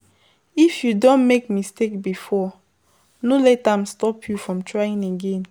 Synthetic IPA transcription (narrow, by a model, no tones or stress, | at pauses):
ifjudõnmek̚mistek̚bifɔ | nolɛtãmstɔpʰjufɹɔ̃mtʰɹaĩneɡẽn